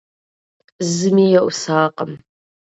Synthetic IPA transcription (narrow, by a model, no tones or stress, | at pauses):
ɨzɨmiːjɐʔʷʊsaːqəm